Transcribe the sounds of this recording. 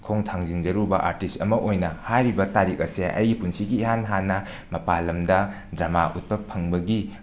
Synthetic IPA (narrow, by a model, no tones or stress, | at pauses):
kʰoŋtʰaŋzind͡ʒɐɾubɐʔaɾtistɐmɐʔojnɐhajɾibɐtaɾik̚ɐseʔɐ̰jpunsiɡiːɦanɦanɐ | mɐpalɐmdɐ | dɾamaʔut̚pɐpʰɐŋbɐɡi